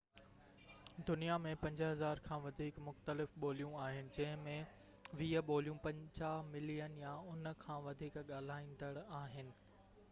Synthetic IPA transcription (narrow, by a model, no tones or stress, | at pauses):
d̪ʊnijamẽpɐ̃ɲd͡ʑɦɐzaːɾkʰãːʋɐd̪ʱiːkmʊxt̪əlɪfɓoːlijũaːɦɪnɪ̆d͡ʑɐ̃ɦɪ̃mẽ | ʋiːəɓoːlijũpɐ̃ɲt͡ɕaːɦmɪlijənjaʊnkʰãːʋɐd̪ʱiːkɠaːl̤aːĩn̆d̪əɽaːɦɪnɪ̆